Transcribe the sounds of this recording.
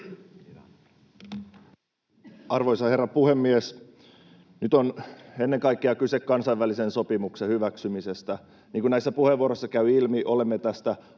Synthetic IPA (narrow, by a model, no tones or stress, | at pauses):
ɑrʋojsɑherːɑpuhe̞mːies | nyt̪one̞nːeŋkɑjkːeɑkysekːɑnsɑjʋælisenso̞pimuksehyʋæksymisest̪æ | niːkunæjsːæpuheʋːuoɾosːɑkæyɥilmiʔo̞lemːet̪æst̪æ